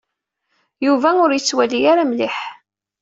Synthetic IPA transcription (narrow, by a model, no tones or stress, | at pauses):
juvæʊɾjət͡sːwælijaɾamlɪħ